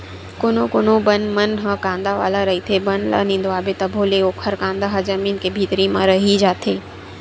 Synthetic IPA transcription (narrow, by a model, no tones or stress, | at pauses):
kʊnokʊnõbənmɐnɦəkãːnd̪aʋa̰ːlaɾɐit̪ʰebɐnlɐ̰nĩːnd̪oaːbet̪ɐbʱoːleoːkʰɐɾkãːnd̪aɦɐzɐmiːnkebʱiːt̪ɾimãɾɐɦid͡ʒaːt̪ʰeː